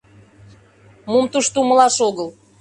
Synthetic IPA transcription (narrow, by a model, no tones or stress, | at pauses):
mumt̪uʃt̪uməlɑʃoɣəl